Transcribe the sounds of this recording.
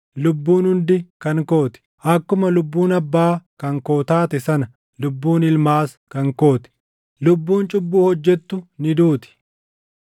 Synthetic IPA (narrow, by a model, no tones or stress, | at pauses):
lʊbːuːnhʊnd̪ɪkɐŋkoːt̪ɪ̥ | ɐkːʊmɐlʊbːuːnɐbːaːkɐŋkoːt̪aːt̪ɛsɐnɐ | lʊbːuːnɪlmaːs | kɐŋko̞ːt̪ɛ̥ | lʊbːuːnt͡ʃʼʊbːuːhɔd͡ʒːɛt̪ːʊnɪd̪uːt̪ɪ̥